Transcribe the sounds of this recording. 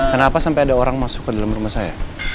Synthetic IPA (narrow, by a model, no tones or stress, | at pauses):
kənapasampajadaoɾaŋmasʊ̥kːədalamrumahsaja̰